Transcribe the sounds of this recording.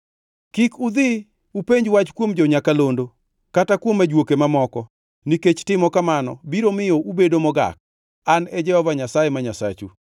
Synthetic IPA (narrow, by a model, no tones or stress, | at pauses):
kikud̪ɪ | upeɲd͡ʒwat͡ʃkwomd͡ʒɔɲakalondo | katakwomːad͡ʒwokemamɔkɔ | niket͡ʃtɪmɔkamanɔ̰biɾomɪjoʔubedomɔɡa̰k̚ | anɛd͡ʒɛhɔvaɲasajemaɲasa̰t͡ʃṵ